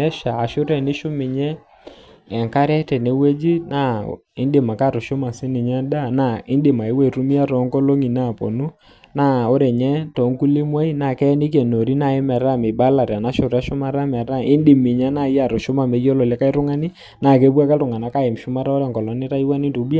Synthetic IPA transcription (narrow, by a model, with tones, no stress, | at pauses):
ɛ˦ʃaː˨ʃʊ˦ɾɛ˨nɪ˦ʃʊ˦mɪ˨ɲɛː˦˨ | ŋka˦ɾɛ˦tɛ˨ne˨we˦d͡ʒi˦na˦ | ɪ˦ndɪ˨ma˨ka˦˨ɾʊ˨ʃʊ˦ma˨sɪ˦nɪ˨ɲa˦da˦˨na˦˨ɪ˦ndɪ˨ma˨ɪ˦wɛ˦˨ɾʊ˦mi˦a˦ɾɔ˨˦ŋkɔ˦lo˦ŋi˨na˦˨pɔ̰˨nu˦ | na˦o˦ɾɛ˨ɲɛ˦tɔ˨˦ŋku˦lɪ˦mwa˦i˦na˨kɛ˦nɪ˦k̬jɛ˨no˨ɾi˦na˦˨ɪ˦mɛ˨ɾa˦˨mɪ˨ba˦la˨ɾa˨na˦ʃʊ˨ɾa˦ʃʊ˦ma˦ɾa˦mɛ˨ɾa˦˨ɪ˦ndɪ˨mɪ˨ɲa˦na˦˨i˦a˨ɾʊ˨ʃʊ˦ma˨me˨˦jɔ˦lɔ˨lɛ˦ka˦i˦ɾʊ˦ŋa˦nɪ˦ | na˨ke˦bwa˦ka˦tʊ˨ŋa˨na˦ka˦ɪ˨m˨ʃʊ˦ma˦ɾa˦ɔ˦ɾɛ˨ŋkɔ˨lɔ˨˦nɪ˦ta˦i˦wa˦nɪ˦ntu˨˦ba˦